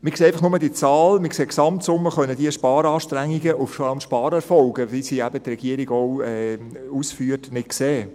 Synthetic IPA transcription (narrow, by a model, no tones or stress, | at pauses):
mɪkseːɛɪfɑχnʊmədiət͡sɑːlmɪkseːksɑmtsʊmːəχœnəd̥iəʃpɑːɾɑːʃtɾæŋːiɡəʔʊffɑlmʃpɑːɾɛɾfɔlɡədisiæbətrɛɡ̥iəɾiɡɔʊɛː | uːsfyːətnɪtkseː